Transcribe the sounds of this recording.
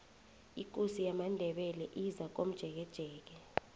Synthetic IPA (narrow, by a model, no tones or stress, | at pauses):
ik̬ʼosijamandʱɛɓɛlɛʔizak̬om̩d̥ʒ̥ʱɛk̬ɛd̥ʒ̥ʱɛːk̬ɛ